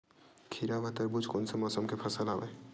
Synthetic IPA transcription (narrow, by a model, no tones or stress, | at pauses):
kʰiɾaʋat̪ɐɾbʊd͡ʒkonsemɔːsəmkepʰəsəlaːʋe